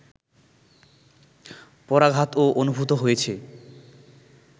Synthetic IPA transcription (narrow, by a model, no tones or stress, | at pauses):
pɔɾaɡʱat̪oʔonubʱut̪oɦojet͡ɕʰe